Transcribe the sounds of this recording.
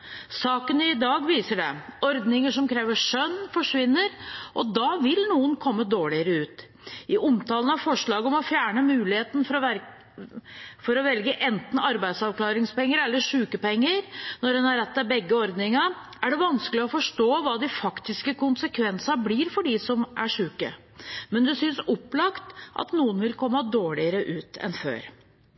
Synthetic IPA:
sɑːkənɪd̪ɑːɡʋiːsəɖɛ̰ɔɾd̪nɪŋəʂɔmkʰɾeːʋəʂœnːfɔʂʋɪnːəɾʔɔd̪ɑʋɪlnuːənkʰɔmːəd̪oːɭɪəɾəʉːt̪ | ʔɪʔʊmt̪ʰɑːlən̩ɑfɔʂɭɑːɡəɔmɔfjæːɳəmʉːlɪheːt̪n̩ | fɔɾɔʋɛlɡəʔɛnt̪n̩ɑɾbæɪd̪sɑʋkʰlɑːɾɪŋspɛŋːəɾɛlːəʂʉːkəpɛŋːəɾnɔɾɛnhɑɾɛt̪ːɑbɛɡːəɔɾd̪nɪŋɑ | ʔæɖɛʋɑnskəlɪɔfɔʂʈoːʋɑːd̪ɪfɑkt̪ɪskəkʊnsəkʰʋɛnsɑbliːɾfɔɖɪsɔmʔæʂʉːkə̰ | mɛnd̪ʉsʏnsɔpːlɑkt̪ʔɑ̰t̪nuːənʋɪlkʰɔmːəd̪oːɭɪəɾəʔʉːt̪ɛ̰nfø̰ːɾ

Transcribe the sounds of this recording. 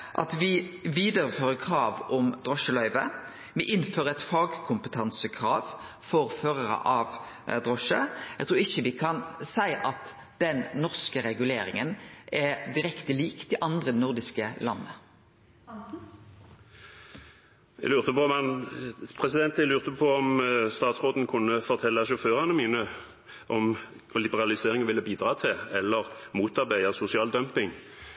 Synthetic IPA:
ʔɑ̰t̪ʋɪʋiːd̪əɾəføːʁəkʰɾɑːʋɔmd̪ʁɔʃəlœʏʋə | ʋɪʔɪnːføːʁəɛt̪fɑːɡkʰʊmpət̪ʰɑnsəkʰʁɑːʋ | fɔʁføːʁəʁə̰ʔɑʋ | d̪ʁɔʃəæɡt̪ʰɾuːʁɪçːəʋɪkʰɑnsæɪʔɑt̪ | d̪̥ɛnːɔʁskəɾɛɡʉleːɾɪ̰ŋənʔɛd̪ɪɾɛkt̪əliːkt̪ɪʔɑnd̪ʁəɛnʊʁd̪ɪskəlɑ̰nːə | ɛ̰lʉːʁt̪əpɔmɑnpʰʁɛsɪd̪ɛnt̪ɛlʉːʁt̪əpʰɔɔmst̪ɑːt̪sʁoːd̪n̩kʰʊnːəfɔʁt̪ʰɛlːəʃʊføːʁɑnəmiːnə | ʔɔm | lɪbəʁɑlɪseːʁɪŋʋɪlːəbiːd̪ʁɑːt̪ʰɪlɛlːəʁmuːt̪ɑʁbæɪɑsʊsɪɑːld̪œmpɪŋ

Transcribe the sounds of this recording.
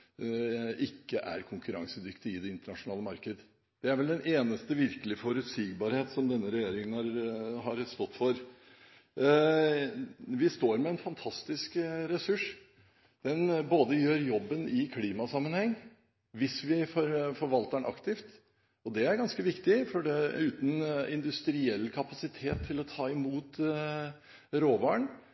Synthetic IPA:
ɪkːəʔæ̰ɾkʰʊŋkʉɾɑ̰ŋsəd̪ʏkt̪ɪɪd̪ɛɪnt̪əɳɑʂʊnɑːləmɑɾkəd̪ə | d̪̥ɛæɾʋɛld̪ɛnʔeːnəst̪əʋɪɾkəlɪfɔɾʉt̪siːɡbɑɾheːt̪sɔmd̪ɛnːəɾɛjeːɾɪŋənɑɾhɑɾst̪ɔt̪ːfɔɾ | ʋɪst̪oːɾmɛɛnfɑnt̪ʰɑst̪ɪskɾɛsʉʂ | d̪̥ɛnboːd̪əjøːɾjɔbːənɪkʰliːmɑsɑmːənhɛŋː | ʋɪsʋɪfɔɾfɔɾʋɑlt̪əɳʔɑ̰kt̪ɪft̪ | ɔd̪ɛæɾɡɑnskəʋɪkt̪ɪfɔɖɛʉːt̪n̩ɪ̰nd̪ʉst̪ɾɪɛlːkʰɑpɑsɪt̪ʰeːt̪ʰːɪlɔt̪ʰɑːɪmuːt̪ | ɾoːʋɑɳ

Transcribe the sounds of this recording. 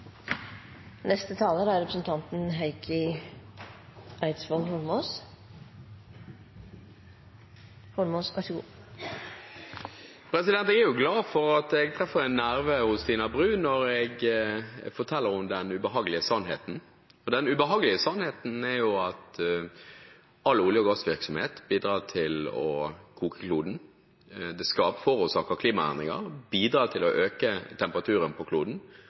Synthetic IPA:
nɛst̪ət̪ʰɑːləd̪ɑæɾɛpɾəsnt̪ʰɑnt̪n̩ɦæɪkʰɪ | ʔæɪt̪sfɔlhɔlmoːs | hɔɾmosɡɑʂəɡṵː | pʰɾɛsɪd̪ɛnt̪ɛɡɛɾjʊɡlɑːfɔʁɑt̪ɛɡ̚t̪ʰʁɛfəɾɛnːæɾʋəhʊst̪ʰiːnɑbʁʉːnɔɾɛɡ | fɔɾt̪ʰɛlːəɾʊmd̪ɛnʉbəɦɑːɡəlɪəsɑnɦeːt̪n̩ | ɔd̪ɛnʉbəɦɑːɡəlɪəsɑnheːt̪n̩ɛɾjʊɑt̪ | ɑlːʊljəɔɡɑsʋɪɾksɔmhḛːt̪biːd̪ɾɑːt̪ʰɪlɔ̰kʰuːkə̥kʰluːd̪n̩ | d̪ɛskɑːpfɔɾʊsɑːkɑkʰliːmɑæ̰nd̪ʁɪŋə̰ɾbiːd̪ɾɑːt̪ʰɪlɔʔøːkət̪ʰɛmpəʁɑt̪ʰʉːɾənpʰɔkʰluːd̪n̩

